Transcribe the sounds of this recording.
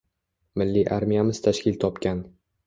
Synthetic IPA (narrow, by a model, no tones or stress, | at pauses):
mɪlːiʔaɾmijamɪz̥t̪ʰaʃkʲɪlt̪ʰɒpkʲan